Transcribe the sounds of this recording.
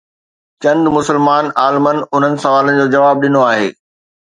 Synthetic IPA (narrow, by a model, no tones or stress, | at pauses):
t͡ɕɐ̃nd̪mʊsəlmaːnaːlmənʊn̤ənɪ̆sɐʋaːlənɪ̆d͡ʑoːd͡ʑɐʋaːb̚ɗɪnoaːɦḛː